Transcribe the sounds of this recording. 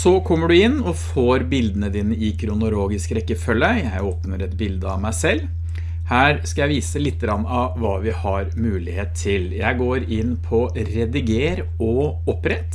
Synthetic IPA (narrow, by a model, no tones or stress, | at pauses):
sɔkʰɔmːəɖʉɪnːɔfoːɾbɪld̪ənəd̪iːnəʔɪkʰɾʊnʊloːɡɪskɾɛkːəfœlːəjæɪoːpnəɾɛt̪bɪld̪əɑmæɪsɛlː | hæːɾskɑjæɪʋiːsəlɪt̪ːəɾɑnːɑʋʋɑːʋɪhɑɾmʉːlɪheːt̪ʰːɪljæɪɡoːɾɪnpʰɔɾɛd̪ɪɡeːɾ | ɔ | ɔpɾɛt̪ː